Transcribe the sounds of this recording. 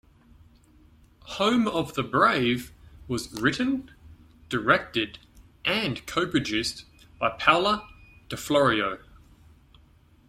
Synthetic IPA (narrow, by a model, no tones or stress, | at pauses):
hə̃ʊ̃məvðəbɹeɪvwɒzɹɪʔn̩ | d̥əɹɛk̚tɪd | ʔə̃nkʰəʊpɨd͡ʒʉs | b̥ɑɪpʰaʊlˠəd̥əflɔɹiəʊ